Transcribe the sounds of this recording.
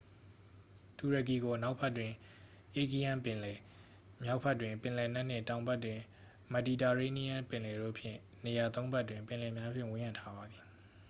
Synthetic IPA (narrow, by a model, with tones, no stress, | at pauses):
tu˨ɹə˨k̬i˨ɡo˨na˦ʊʔpʰɛ˦˨tːwɪ̃˨ | ʔe˦˨ki˦˨jã˦p | mja˦ʊʔpʰɛ˦˨tːwɪ̃˨mpɪ̃˨lɛ˨na˦ʔn̥ɪ̰̃˦˨tã˨ʊ̃mba˦˨tːwɪ̃˨ | mə˨di˨ta˨ɹe˦ni˦ã˦pɪ̃˨lɛ˨ɾo̰˦˨pʰjɪ̰̃˦˨ | ne˨ja˨t̪õ˦ʊ̃mba˦˨tːwɪ̃˨mpɪ̃˨lɛ˨mja˦pʰjɪ̰̃˦˨wɪ̃˦jã˨ntʰa˦ba˨d̪ði˨